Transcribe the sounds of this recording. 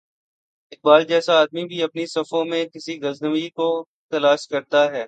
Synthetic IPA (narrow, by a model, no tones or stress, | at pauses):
ɪk̚baːld͡ʒɛːsaaːd̪̚mibʱiɐpnisɐfõmẽkɪsiɣɐznəmiko | t̪ɐlaːʃkɐɾt̪aɦɛː